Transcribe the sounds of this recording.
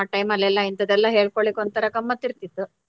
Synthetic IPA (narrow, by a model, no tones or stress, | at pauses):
aʈɐjmɐlːɛlːɐint̪ɐd̪ɛlːɐɦe̞ːɭkoɭikont̪ɐɾɐkɐmːɐt̪ːiɾt̪it̪ːu